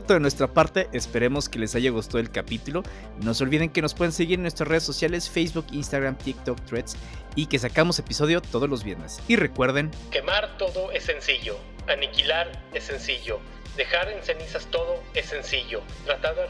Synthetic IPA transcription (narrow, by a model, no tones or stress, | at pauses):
t̪oðenwe̞st̪ɾapaɾt̪e̞ʔespe̞ɾe̞mo̞ske̞le̞saʝaɣ̞ust̪aðelkapit̪ulo̞ | no̞so̞lβiðeŋke̞nospwe̞ð̞ense̞ɣiɾenwest̪ɾasreesosjale̞sfejzβukinst̪aɣɾamt̪ik̚t̪okt̪ɾet̪s | ike̞s̬akamo̞se̞piso̞ð̞jo̞t̪o̞ðo̞zlo̞zβje̞ɾne̞sire̞kwe̞ɾðeŋ | ke̞maɾt̪o̞ðoesːensiʝo | anikilaɾesːensiʝo̞ | d̪exaɾensenisast̪oðoesensiʝo | t̪ɾat̪aɾð